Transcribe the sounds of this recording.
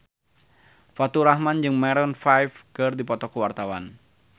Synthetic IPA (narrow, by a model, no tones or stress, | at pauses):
fat̪uɾahmand͡ʒɨŋmɛɾɔnfajfkərdipɔt̪ɔkəwart̪awan